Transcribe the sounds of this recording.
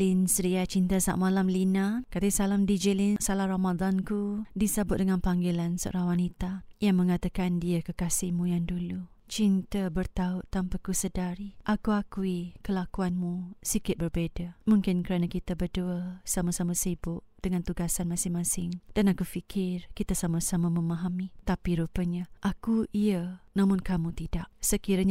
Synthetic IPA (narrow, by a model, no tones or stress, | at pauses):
linsɾiat͡ʃint̪asa̰ʔmalamlinakat̪isalamdid͡ʒəlinsalahɾamadankudisəbʊt̪̚dəŋanpaŋɡilanso̰o̰ɾaŋwanit̪ajaŋmə̃ŋat̪akandiakəkasɪhmũjaŋdulu | t͡ʃint̪abərt̪aʊʔt̪ampakusədaɾiʔakuakuikəlakuanmũsikɪt̪̚bərbedamũŋkɪnkəɾanãkit̪abərduəsamasamasibʊʔd̥əŋant̪uɡasanmãsɪŋmãsɪŋd̥anakufikʰɪrkit̪asamasamamə̃maɦamit̪apiɾupəɲaʔakuʔiənamʊ̃nkamũt̪idaʔsəkiɾaɲ